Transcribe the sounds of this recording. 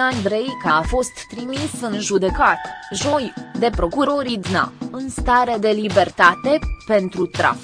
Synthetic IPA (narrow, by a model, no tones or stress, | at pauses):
and̪ɾe̞jkaːfo̞st̪ːɾimisɨnʒud̪e̞kat̪ʒo̞jd̪e̞pɾo̞kuɾo̞ɾid̪na̰ɨnst̪aɾe̞d̪e̞libe̞rt̪at̪e̞pe̞nt̪ɾut̪ɾa̰f